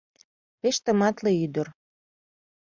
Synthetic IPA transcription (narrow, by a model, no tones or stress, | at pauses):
peʃt̪ə̆mɑt̪leyd̪ər